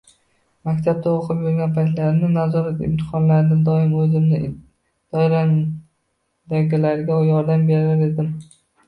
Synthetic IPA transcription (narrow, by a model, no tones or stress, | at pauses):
makʲt̪ʰab̚t̪aoqʰɨpjʊɾɡʲanpʰajt̪laɾnɪnazɒɾat̪ɪ̰mt̪ʰɨ̥qʰɒnlaɾd̪ɪd̪ɒɪmɵzɪmnɪ | d̪̥ɒɪɾan | d̪aɡʲɪlaɾɡʲajɒɾd̪ambe̞ɾaɾe̞d̪ɪm